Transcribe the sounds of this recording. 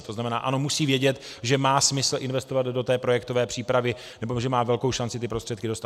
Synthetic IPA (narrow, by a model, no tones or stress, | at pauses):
t̪o̞znamɛna̰ːʔano̞musiːvjɛɟɛt̪ | ʒɛmaːsmɪsl̩ʔɪnvɛst̪o̞vad̪do̞t̪ɛːpɾo̞jɛkt̪o̞vɛːpr̝̥iːpɾavɪ | nɛbo̞ʒɛmaːvɛlko̞wʃant͡sɪt̪ɪpɾost̪r̥ɛt̪kɪdo̞st̪a